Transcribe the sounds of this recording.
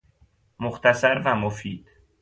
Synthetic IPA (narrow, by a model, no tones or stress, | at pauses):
moxt̪ʰæsæɾvæmofiːd̪̥